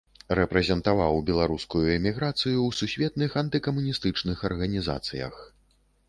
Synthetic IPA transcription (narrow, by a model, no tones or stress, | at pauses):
rɛpɾɛzʲɛnt̪avawbʲɛlˠaɾuskujuɛmʲiɣɾat̪sɨjuwsusʲvʲɛt̪̚nɨxɐnt̪ɨkɐmunʲist̪ɨt͡ʂnɨxɐrɣɐnʲiza̰t̪sɨjɐ̰x